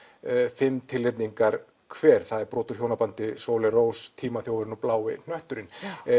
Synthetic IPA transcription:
fɪmt̪ʰɪlːɪt̪niŋkaɾ̥ | kʰvɛːɾ̥θaðɛɾpɾɔːt̪ʏɾ̥çjownapant̪ɪsoːwlɛroːwst̪ʰiːmaθjoːwvʏɾɪnɔplaːwɪ̰n̥œht̪ʏɾɪn

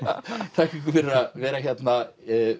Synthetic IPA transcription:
t̪ʰakiŋkfɪɾɾavɛːɾaçjɛt̪na

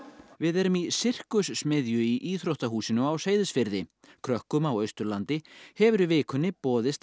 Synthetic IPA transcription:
vɪðɛɾʏmisɪr̥kʏsːmɪðjʏiʔiːθɾowht̪aɦuːsɪnʏawseːjðɪsfɪɾðɪkʰɾœhkʏmawœɥst̪ʏɾlant̪ɪhɛvʏɾʏvɪːkʰʏnːɪpɔːðɪst̪

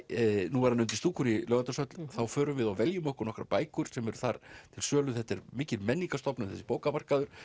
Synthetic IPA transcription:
nuvaɾhanːʏnt̪ɪst̪uːkʰʏɾilœːvant̪asœt̪lθawfœːɾʏvɪðawvɛljʏmɔhkʏɾnɔhkɾa̰paːjkʏɾ̥sɛmɛɾʏθaɾ̥t̪ʰɪlsœːlʏθɛht̪ɛɾmɪːcɪlmɛnːiŋkast̪ɔpnʏθɛsːɪ̥poːwkamar̥kaðʏɾ̥

